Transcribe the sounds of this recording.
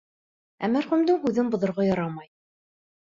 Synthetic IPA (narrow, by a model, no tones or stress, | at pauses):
æ̰mæɾχɵmd̪ɘkʉðɘŋbŏðŏɾʁɑjɑɾɑmɑj